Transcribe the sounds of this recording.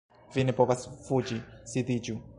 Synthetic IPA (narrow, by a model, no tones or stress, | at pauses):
vinɛbɔbasfud͡ʒisid̪id͡ʒu